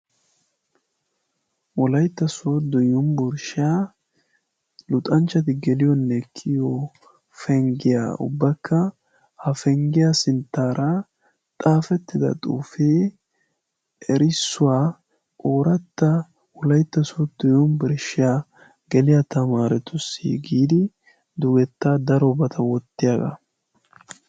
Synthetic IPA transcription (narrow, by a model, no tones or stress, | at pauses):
wɔlɐjt̪ːɐsod̪ɔjɔnbʊɾʃaː | lʊt̪ʼɐnt͡ʃːɐt̪ɪɡɛlɪjɔnːɛkʰːɪjo | fɛŋɡɪja̰ʊ̰bːɐkʰːɐ | hɐfɛŋɡɪjasɪnt̪ːaːɾɐ | t̪ʼaːfɛt̪ːɪd̪ɐ̰t̪ʼuːfeː | ɛɾɪsːʊwaː | ʔʼoːɾɐt̪ːɐ | wʊlɐjt̪ːɐsɔt̪ːɔjɔnbɪɾʃːɪjaː | ɡ̥ɛlɪjat̪ɐmaːɾɛt̪ʊsḭːɡiːd̪ɪ | d̪ʊɡɛt̪ːaːd̪ɐɾɔbɐt̪ʰɐwɔt̪ːɪjaːɡɐ̰